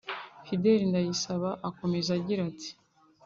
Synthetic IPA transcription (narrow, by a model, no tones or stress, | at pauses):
fide̞ɾindajisaβaʔako̞me̞zaɟiɾati̥